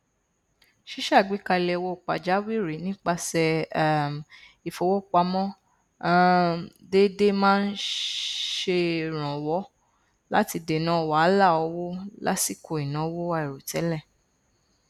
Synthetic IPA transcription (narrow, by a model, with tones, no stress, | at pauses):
ʃi˦ʃa˦˨ɡ͡bi˨˦ka˧lɛ˧wo˧˨k͡pa˨d͡ʒa˨˦wi˦˨ɾi˨˦nĩ˦k͡pa˧sɛ˧˨ | i˨fo˧˦wo˦˨k͡pa˧˦mɔ̃˦ | de˦de˦mãː˦n̩˦ | ʃe˧ɾ̃ɔ̃˨wɔ˨˦ | la˦ti˧de˨nã˨˦˨wa˨˦˨la˦˨ɔ˧˦wo˦la̰˦si˦˨kʰo˧˨i˨nã˨˦wo˦a˧i˨ɾo˨tɛ˨˦lɛ˦˨